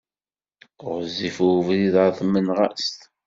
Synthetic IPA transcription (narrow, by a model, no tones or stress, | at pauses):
ɾzːifuvðiðaθmənʁa̰st̪